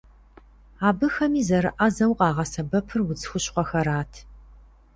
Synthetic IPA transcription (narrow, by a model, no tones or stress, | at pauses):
aːbɨxɐmiːzɐɾɨʔɐzɐwqʼɑːʁɐsɐbɐpʰɨrwʊd͡zɨxʷʊɕqʷɔxɐɾaːtʰ